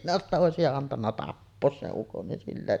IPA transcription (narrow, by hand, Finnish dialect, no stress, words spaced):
minæ etːæ oˑesijɑ ɑntɑnːɑ tɑpːoːs seʔ ʔukon nin silːæ